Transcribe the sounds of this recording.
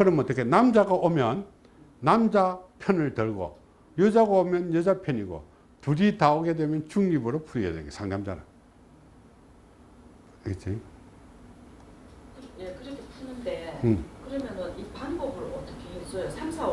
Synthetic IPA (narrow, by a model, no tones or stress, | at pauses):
kɯɾʌmʌt͈ːʌkʰenamd͡ʑaɡaʔomjʌnː | amd͡ʑapʰjʌnɯɭtɯɭɡo̰ | jɯd͡ʑaɡaomjʌnjʌd͡ʑapʰjʌniɡo̰ | tuɾitaoɡe̞dwemjʌnt͡ɕuŋɲibɯɾopʰuɾiɡa̰denɡasʰaŋdamd͡ʑana̰ | et͡ɕʰi | jekɯɾʌkʰepʰunɯndeɯkɯɾʌmjʌnʌnipaŋbʌbɯɾoʌt͈ʌkʰeɦes͈ʌjosʰamsʰa